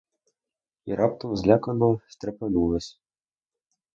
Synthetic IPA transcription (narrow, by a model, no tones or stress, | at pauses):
iɾap̚t̪ɔmzʲlʲakɐnɔwsʲt̪ɾɐpʲɐnulˠɐsʲ